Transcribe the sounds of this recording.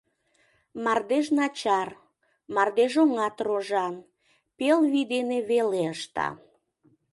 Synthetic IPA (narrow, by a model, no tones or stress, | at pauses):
mɑrd̪eʃnɑt͡ɕɑr | mɑrd̪eʒoŋɑt̪roʒɑn | pelβid̪eneβeleəʃt̪ɑ̰